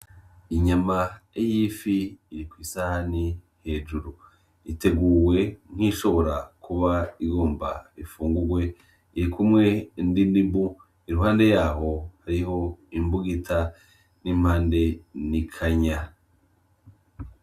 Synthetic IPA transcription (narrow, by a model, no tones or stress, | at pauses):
iɲamaejiːfiːɾikwisahani | he̞ːd͡ʒuɾu | ite̞ɡuːwe̞ŋ̥hiʃo̞βo̞ɾakuβaiɡoːmba̰ifuːŋɡuɡwe̞ | iɾikumŋe̞ndindibu | iɾuɦaːnde̞jaːɦo̞haɾiho̞imbuɡitʰa | nimhaːnde̞nikʰaɲa